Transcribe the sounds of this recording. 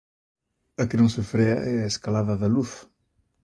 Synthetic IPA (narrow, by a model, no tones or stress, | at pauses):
ɐknɐ̃w̃sufɾɛɐ̰ɛɐeskalaðɐðɐluθ